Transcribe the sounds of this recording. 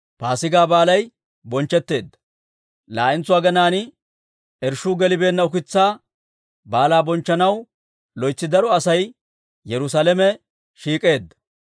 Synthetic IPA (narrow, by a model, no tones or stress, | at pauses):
paːsɪɡaːbaːlɐj | bɔnt͡ʃːɛt̪ːe̞ːd̪ːɐ̥ | la̰ːʔɪnt͡sːʊwaːɡɐnaːnɪ | ɛɾʃuːɡɛlɪbe̞ːnːɐʊkɪt͡sːaː | baːlaːbɔnt͡ʃːɐnɐw | lɔjt͡sːɪd̪ɐɾɔɐsɐj | jɛɾʊsaːlɛmɛ | ʃiːkʼe̞ːd̪ːɐ̥